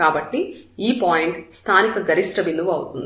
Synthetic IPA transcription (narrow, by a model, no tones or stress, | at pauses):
aːbɐʈːiiːpaːjiɳʈst̪ʰaːnikɐɡɐɾiʂʈɾɐʋind̪uʋuɐwut̪und̪i